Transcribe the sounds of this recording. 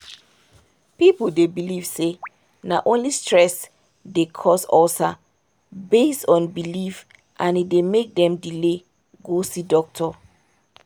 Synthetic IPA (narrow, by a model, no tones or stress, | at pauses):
pip̩debiliv̥se | naʔõnlistɹɛs | dekʰɔsɔta | bestɔ̃nbilif | ʔãnidemek̚dɛ̃mdile | ɡosidɔk̚tʰɔ